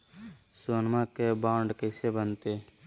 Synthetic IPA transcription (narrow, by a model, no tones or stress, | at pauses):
suənmãkebaːɳɖkəsebənt̪e